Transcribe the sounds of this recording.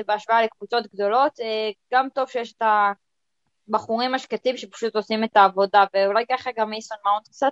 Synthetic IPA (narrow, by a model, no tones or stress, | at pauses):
ebeaʃvaalekvut͡so̞tɡdo̞lo̞t̪eɡ̥amto̞v̥ʃejeʃeta | baχuʁimaʃkatimʃepḁʃuto̞sime̞taːvo̞daveulajkaχaɡamisonmawnt̪k̚t͡sat